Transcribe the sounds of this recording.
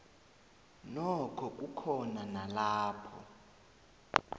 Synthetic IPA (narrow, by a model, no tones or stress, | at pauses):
nɔkʰɔk̬ʼukʰɔnanalaːpʰɔ̰